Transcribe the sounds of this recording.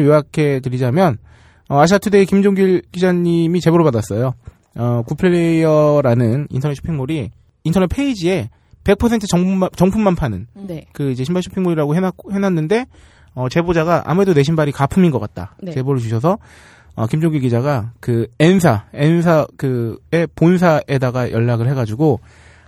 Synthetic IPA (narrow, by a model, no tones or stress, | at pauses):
joakʰe̞t̬ɯɾid͡ʑamjʌn | ʌaɕ̬ʰiatʰɯdeikimd͡ʑoŋɡiɭkid͡ʑaɲimit͡ɕe̞boɾɯɭpadas͈ʌjo | ʌkupʰeejʌɾanɯnḭntʰʌnett͡ɕʰo̥pʰiŋmoɾiː | ntʰʌnet̚pʰe̞id͡ʑie̞ | pe̞k̚pʰʌsʰe̞ntʰɯt͡ɕʌt͡ɕʌŋpʰumːanpʰanɯnkɯid͡ʑe̞ɕʰimbaɕʰo̥pʰiŋmoɾiɾaɡoɦenhenɦanːɯnde̞ | ʌt͡ɕe̞bod͡ʑaɡaʔa̰muɾe̞done̞ɕʰinbaɾikapʰuminɡʌk͈at̚t͈a̰t͡ɕe̞boɾɯɭt͡ɕuɕʰʌs̬ʰʌ | ʌ̰kimd͡ʑoŋɡiɡid͡ʑaɡakɯens̬ʰaens̬ʰakɯe̞pons̬ʰaʔe̞daɡajʌɭːaɡɯɭhe̞ɡad͡ʑuɡo